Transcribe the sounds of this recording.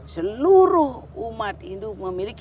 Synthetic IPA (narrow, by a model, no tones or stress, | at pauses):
səluɾuhumat̪ind̪uməmilik